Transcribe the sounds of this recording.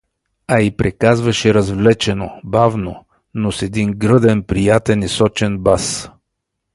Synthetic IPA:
aipɾʔɛkazvɐʃɛɾɐzvlɛt͡ʃɛnobavno | nosɛd̪iŋɡɾɤd̪ɛnpɾijat̪ɛnisɔt͡ʃɛnbas

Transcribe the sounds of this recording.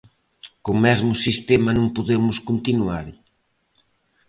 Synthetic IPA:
koŋmɛzmʊsist̪ɛmɐnõŋpoðemʊskont̪inuaɾ

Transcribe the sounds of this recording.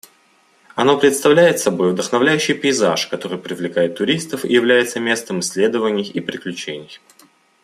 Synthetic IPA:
ɐno̞pɾʲɪt̪st̪ɐvlʲæjɪt̪sɐbo̞jvd̪əxnɐvlʲæjʉɕːɪjpʲɪɪzaʂkɐt̪o̞ɾɨjpɾʲɪvlʲɪkajɪt̪ːʊɾʲist̪əfɪ̰jɪvlʲæjɪt̪səmʲe̞st̪əmɨsʲlʲe̞d̪əvənʲɪjipɾʲɪklʲʉt͡ɕenʲɪj

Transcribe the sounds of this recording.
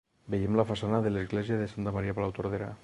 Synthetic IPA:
bejemlafasanaðelezɣleziaðesant̪amaɾiapalawt̪oɾð̞eɾa̰

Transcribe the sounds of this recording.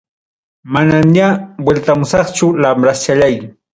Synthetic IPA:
manaɲabwelt̪amʊsɑχt͡ʃʊlamɾast͡ʃaʎaj

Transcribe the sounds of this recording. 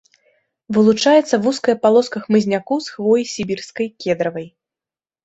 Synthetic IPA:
vɨlˠut͡ʂajɛt̪sːɐvuskɐjɐpalˠɔskɐxmɨzʲnʲakɔsxvɔjisʲibʲirskɐjkʲɛd̪ɾɐvɐj

